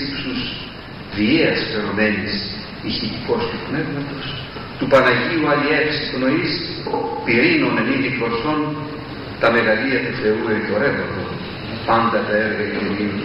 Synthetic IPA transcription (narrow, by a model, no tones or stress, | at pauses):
ipsus | ðieɐspeɾome̞nis | içit̪i̥ko̞st̪upne̞vmɐt̪o̞s | t̪upɐnɐʝiuɐliefsikno̞is | piɾinoneniðikloso̞n | t̪ɐme̞ɣɐliɐp̪uθe̞ueco̞ɾevɐt̪o | pɐnd̪ɐt̪ɐeɾɣɐein